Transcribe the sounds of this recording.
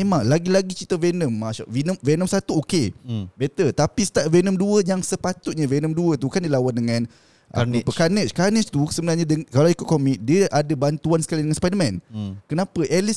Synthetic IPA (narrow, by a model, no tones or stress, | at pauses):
emãŋlaɡilaɡit͡ʃit̪avɛnəmːaʃa̰vinəmvɛnəmsat̪uokebet̪ət̪apist̪aʔ̚vɛnəmduəjaŋsəpat̪ʊt̪̚ɲavɛnəmduət̪ukandilawandəŋãn | ʔapəkanət͡ʃkanət͡ʃt̪usəbənarɲãdəkalawikuʊt̪̚komik̚diəʔadabant̪uansə̥kalidəŋãnspajdəmɛ̃nkənãpəʔɛlis